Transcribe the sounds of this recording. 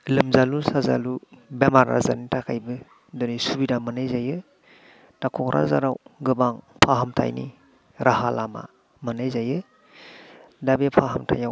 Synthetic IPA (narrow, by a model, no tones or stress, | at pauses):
lɯmzalusazalubemaɾa̰za̰ɾnitʰakʰajbɯ | dɔnisubidamanajzajɯ | d̥akʰɔkɾʔa̰za̰ɾawɡɯbaŋpʰaɦamtʰa̰jni | ɾʔahalama̰ | manajzajɯ | dabepʰaɦamtʰa̰jaw